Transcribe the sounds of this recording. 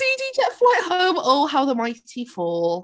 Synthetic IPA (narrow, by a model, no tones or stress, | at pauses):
idid͡ʒɛtflaɪʔhə̃ʊ̃mɔlˠɦaʊðəmaɪtʰifɔː